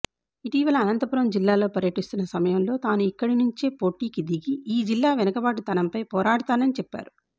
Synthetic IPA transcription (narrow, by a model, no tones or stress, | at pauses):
iʈiːʋɐlɐːnɐnt̪ɐpuɾɐmd͡ʒilːaːlo̞ːpɐɾjɐʈist̪unːɐsɐmɐjɐmlo̞ːt̪aːnuikːɐɽinuɲt͡ʃe̞ːpo̞ːʈiːkid̪iɡiiːd͡ʒilːaːʋɛnɐkɐbaːʈut̪ɐnɐmpɐjpɔːɾaːɽut̪aːnɐnit͡ʃɛpːa̰ːɾu